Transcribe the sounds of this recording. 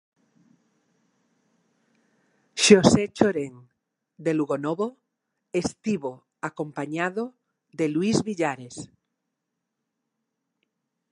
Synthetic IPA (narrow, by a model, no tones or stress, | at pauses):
ʃoset͡ʃoɾeŋ | d̪eluɣonoβo | est̪iβo | akõ̞mpaɲaðo | ðelwizβiʎaɾes